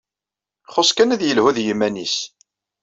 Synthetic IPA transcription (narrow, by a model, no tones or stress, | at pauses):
χʊskænæðjəlhuðjəmːænis